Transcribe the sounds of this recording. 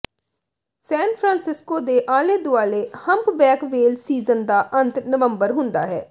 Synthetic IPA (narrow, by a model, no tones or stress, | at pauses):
sɛːnpʰɾãːnsɪskoːd̪eːʔaːleːd̪ʊaːleːhəmpbɛːkʋeːlsiːzənd̪aːʔənt̪nəʋəmbəɾɦʊnd̪a̰ːɦɛ̰ː